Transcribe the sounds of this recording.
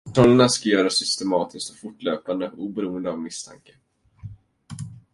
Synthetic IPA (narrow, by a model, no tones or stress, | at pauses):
t̪ʰɔlənaskajœːɾasʏst̪ɛmɑːt̪ʰɪst̪ɔ̥fʊʈːløːpand̪əuːbɛɾuːənd̪əavmɪst̪ʰa̰ŋkə̥